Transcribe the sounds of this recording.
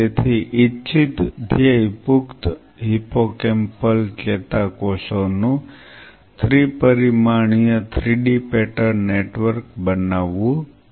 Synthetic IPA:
et̪ʰiʔitːt͡ʃʰit̪d̪ʱjəipukt̪ | ɦipokempəlket̪akosonũ | t̪ʰɾipəɾimaɳ̃ijət̪ʰɾiɖipɛʈəɾneʈʋəɾkbənaʋːũ

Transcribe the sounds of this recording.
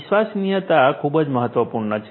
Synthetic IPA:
ʃʋasnijət̪akʰubəd͡ʒməɦət̪ʋəpuɾɳət͡ʃʰ

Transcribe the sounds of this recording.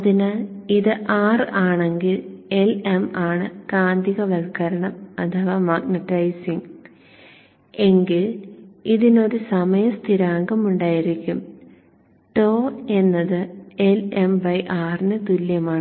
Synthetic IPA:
ɐðinɨiðɨʔaːraːɳe̞ŋɡile̞lemaːɳɨkaːnd̪iɣɐʋɐlkɐɾɐɳɐmɐt̪ʰɐʋaːmaːɡnɐʈːɐjsiŋ | e̞ŋɡiliðino̞ɾusɐmɐjɐst̪ʰiɾaːŋɡɐmuɳɖaːjiɾikʲːum | ʈoːe̞nːɐðɨelemʋɐjʔaːrinɨt̪uljɐmaːɳɨ

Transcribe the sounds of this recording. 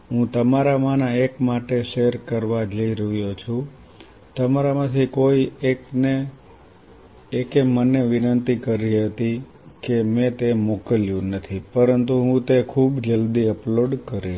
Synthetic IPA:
ɦũt̪əmaɾamanaekmaʈeʃeɾkəɾʋad͡ʒəiɾəɦjot͡ʃʰu | t̪əmaɾamãt̪ʰikoiekne | ekeməneʋɪnənt̪ikəɾiɦət̪i | kemẽt̪emokəljũnət̪ʰipəɾənt̪uɦũt̪ekʰubd͡ʒəld̪iəploɖkəɾi

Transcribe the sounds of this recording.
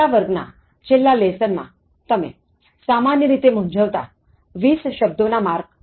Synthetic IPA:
aʋəɾɡna̰ | t͡ɕelːalesənma̰ | t̪əmḛ | samanjəɾit̪em̤uɲd͡zʱəʋt̪a̰ | ʋiːsɕəb̚d̪onamaɾɡ

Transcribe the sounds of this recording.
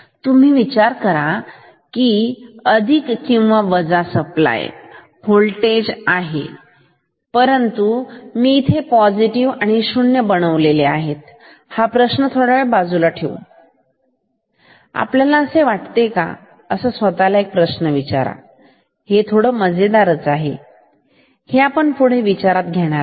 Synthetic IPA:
t̪um̤iːʋit͡ɕaɾkəɾa | kiːəd̪ʱikːĩw̃ʋaʋəd͡zasəpla̰j | holʈed͡ʑaɦḛ | pəɾənt̪umiːt̪ʰepɔd͡ziʈiʋaɽ̃iɕuɳjəbəɽ̃əʋleleaɦet̪ | hapɾəɕnət̪ʰoɽaɭebad͡zulaʈʰḛʋṵ | a̰pljalaəseʋaʈt̪eka̰ | əsəːsʋət̪alaek̚pɾəɕnəʋit͡ɕa̰ɾa̰ | het̪ʰoɽəːməd͡zed̪aɾət͡saɦe | heapəɳpuɽ̤eʋit͡ɕaɾat̪̚ɡʱeɽ̃aɾ

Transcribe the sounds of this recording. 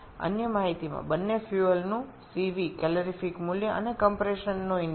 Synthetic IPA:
ə̰njəmaɦit̪imã̰bənːefjuəlnũ | siʋikɛləɾifikmuljəʔə̰nekəmpɾeʃənːũɪn

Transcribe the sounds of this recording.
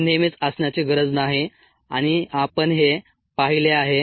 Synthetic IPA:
nemit͡səsɳjat͡ɕeɡəɾəd͡znaɦe | a̰ɽ̃iapəɳɦe | paɦileaɦe

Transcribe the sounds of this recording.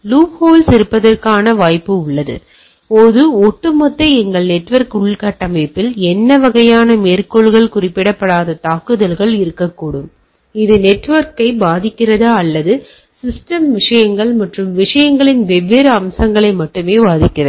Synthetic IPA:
luːphoːlsɪɾɯpːɐðɐrkaːnɐʋaːjpːɯʊɭːɐðɯ̰ | poːðɯɔʈːɯmɔt̪ːɐɪɛŋɡɐɭnɛʈːʋɐɾkʊɭkɐʈːɐmɐːpːɪlɛnːɐʋɐɣɐjaːnɐmeːrkɔɭɣɐɭkʊrɪpːɪɽɐpːɐɽaːðɐt̪aːkɯðɐlɣɐɭɪɾɯkːɐkːuːɽɯm | ɪðɯnɛʈːʋɐɾkɐɪbaːðɪkːɪrɐðaːɐlːɐðɯ | sɪsʈɐmʋɪʂɐjɐŋɡɐɭmɐʈrɯmʋɪʂɐjɐŋɡɐɭɪnʋɛʋːɪɾɐɐmsɐŋɡɐɭɐɪmɐʈːɯmeːbaːðɪkːɪrɐð

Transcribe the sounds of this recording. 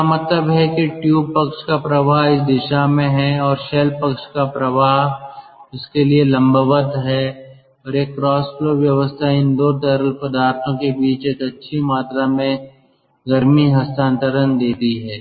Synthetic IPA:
amɐt̪ləbɦɛkiʈjuːb̚pɐkʃkapɾɐʋaːɦɪs̬d̪ɪʃamẽɦɛɔːɾʃɛːlpɐkʃkapɾɐʋaːɦʊskelielɐ̃mbəʋəd̪ʱɦɛ | ɔːɾeːkːɾɔːsfloːʋjɐʋəst̪ʰaɪ̃nd̪oːʈ̪əɾəlpɐd̪aːɾt̪ʰõkebiːt͡ʃeːkɐtːʃʰimaːt̪ɾamẽ | ɡɐɾmiɦɐst̪ʰãːnt̪əɾənd̪eːt̪iɦɛː

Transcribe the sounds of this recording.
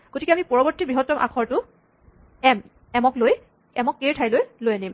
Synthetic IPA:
ɡ̥otikɛamipɔɹɔbɔɹtːibɹiɦɔtːɔmʔa̰kʰɔɹtʊ | ɛm | ɛmɔkloj | ɛmɔkːeɹtʰajlojlojanim

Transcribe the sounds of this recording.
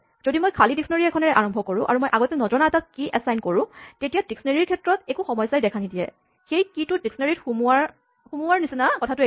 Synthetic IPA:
z̥odimojkʰalidiksɔneɹiɛkʰɔnɛɹɛʔaɹɔmbʱɔkoɹʊ̃ʔa̰ɹumojʔaɡɔtɛnɔzɔnaɛtakiʔɛsajnkoɹʊ̃tetijadiksɔneɹiɹkʰɛtɹɔtɛkuxɔmɔjsajdɛkʰanidijɛ̰ | xejkitʊdiksɔneɹitxumuaɹ | xumuaɹnisinakɔtʰatʊe

